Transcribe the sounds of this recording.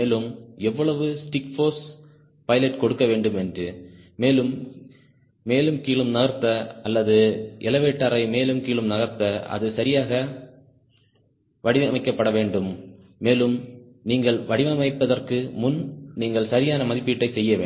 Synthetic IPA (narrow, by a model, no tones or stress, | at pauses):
eːlɯmɛʋːɔɭɐʋɯsʈɪkfoːs | pɐjɪlɐʈkɔɽɯkːɐʋeːɳɖɯmɛndrɯmeːlɯm | eːlɯmkiːɭɯmnɐɣɐɾt̪ːɐɐlːɐðɯʔɪlɐʋeːʈːaːɾɐɪmeːlɯmkiːɭɯmnɐɣɐɾt̪ɐɐ̰ðɯsɐɾɪjaːɣɐ | ʋɐɽɪʋɐmɐɪkːɐpːɐɽɐʋeːɳɖɯmː | eːlɯm | niːŋɡɐɭʋɐɽɪʋɐmɐɪpːɐðɐrkɯmʊnniːŋɡɐɭsɐɾɪjaːnɐmɐðɪpːɪʈːɐɪsɛjːɐʋḛː